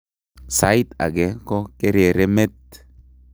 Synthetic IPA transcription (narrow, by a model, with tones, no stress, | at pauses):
sa˦it̪a̰˨ɡɛ˦kɔ˦ke˦ɾe˨ɾe˦me˦t̪